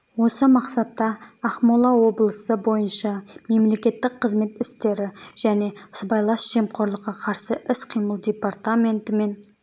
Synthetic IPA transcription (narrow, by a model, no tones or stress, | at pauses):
wo̞səmɑqsɑt̪ːɑːχmolˠɑwo̞blˠəsəbo̞jənʃɑme̞mle̞kʲe̞t̪ːɪk̚qʰəzme̞t̪ɪst̪e̞ɾɪʒ̥æne̞ə̥sbɑjlˠɑsʒ̥e̞mqʰo̞ɾlˠəqːɑqʰɑɾsəʔɪsqʰijməlˠd̪ʲe̞part̪amʲe̞nt̪ɪme̞n